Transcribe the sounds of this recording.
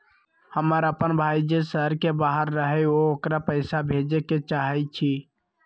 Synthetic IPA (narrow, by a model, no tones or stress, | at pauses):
həməɾəpənbʱaːid͡ʒesəɾkebaɦəɾːəɦɛookɾapəɪsabʱed͡ʒeket͡ʃaɦɛt͡ʃʰi